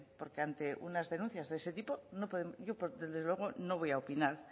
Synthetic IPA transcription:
po̞ɾke̞ant̪e̞ʔṵnazðe̞nũnθjazðe̞se̞t̪ipo̞no̞poðemoʝo̞pðezðzðewe̞ɣ̞o̞no̞βo̞jaopinaɾ

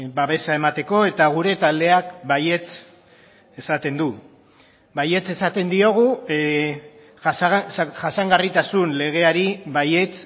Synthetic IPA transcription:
baβe̞sae̞mat̪e̞ko̞e̞t̪aɣ̞uɾe̞t̪ald̪e̞akbaje̞t͡s | e̞sat̪e̞nd̪u | baje̞t͡se̞sat̪e̞nd̪io̞ɣ̞u | ʝasaŋɡarit̪asunle̞ɣ̞e̞aɾiβaje̞t͡s

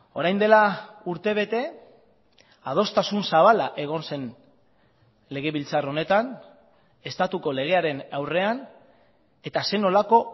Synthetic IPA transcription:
o̞ɾajnd̪e̞lauɾt̪e̞β̞e̞t̪e̞ | að̞o̞st̪asunsaβ̞alaʔe̞ɣ̞o̞nse̞n | le̞ɣ̞e̞βilt͡saro̞ne̞t̪an | e̞st̪at̪uko̞le̞ɣ̞e̞aɾe̞nawre̞an | e̞t̪ase̞no̞lako̞

